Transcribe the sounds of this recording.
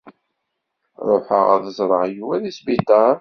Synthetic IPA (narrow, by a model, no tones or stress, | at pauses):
ɾˤoħə̰ʁæ̰ðəzˤɾˤə̰ʕjuwæðisbit̪ɑɾˤ